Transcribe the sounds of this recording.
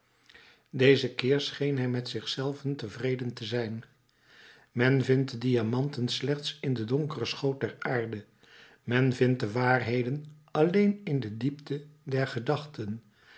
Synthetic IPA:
dejzəkɪːɹsχejnɦɛjmɛtsɪχsɛlˠvəntəvrejdəntəzɛjn | mɛnvɪntədijamɑntənslɛχtsɪndədɔŋkərəsχowt̚dɛɹaːɹdə | mɛnvɪnt̚dəʋaːrɦejdən | ɑlejnɪndədiptədɛɹχədɑχtən

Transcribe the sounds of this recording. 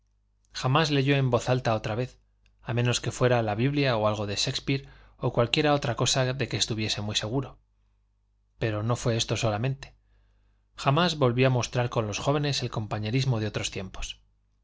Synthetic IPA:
xamazle̞ʝo̞e̞mbo̞θalt̪ao̞t̪ɾaβe̞θ | amẽ̞no̞ske̞fwe̞ɾalaβiβljaoalɣo̞ðe̞ʃe̞kspiɾ | okwalkje̞ɾao̞t̪ɾako̞saðe̞keːst̪uβ̞je̞se̞mwise̞ɣ̞uɾo | pe̞ɾo̞no̞fwe̞est̪o̞so̞lamẽ̞nt̪e̥ | xamazβo̞lβjoamo̞st̪ɾaɾko̞nlo̞sxo̞β̞e̞ne̞se̞lko̞mpaɲe̞ɾizmo̞ð̞eo̞t̪ɾo̞st̪je̞mpo̞̥s

